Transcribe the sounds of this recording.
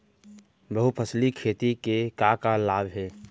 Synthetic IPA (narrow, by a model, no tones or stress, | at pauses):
bəɦupʰəslikʰeːt̪ikekakalaːbʱɦɛː